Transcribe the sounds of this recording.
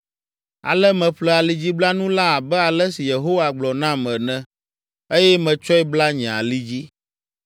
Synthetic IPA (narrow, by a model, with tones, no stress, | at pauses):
a̰˨lɛ˦mɛ̃˨ɸlɛ˦a˨li˦d͡ʑi˦bla˦nũ˦la˦a˨bɛ˦a˨lɛ˦si˨je˨ɦo˦wa˨ɡ͡blɔ˨nã˦mɛ̃˨nɛ̃˨ | e˦jɛ˦mɛ̃˨t͡ʃɔ˦ɛ˦bla˦ɲɛ̃˨a̰˨li˦d͡ʑi˦